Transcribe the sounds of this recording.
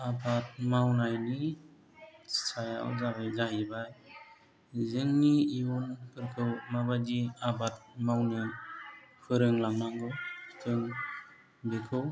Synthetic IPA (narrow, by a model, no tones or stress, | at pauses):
abat̚mawnajni | saja̰wzabajlajibaj | zɯŋniiunpʰɯɾkʰɯwmabadiabat̚mawnɯ | pʰɯɾɯŋlaŋmaŋɡɯwtʰɯŋ | bekʰɯw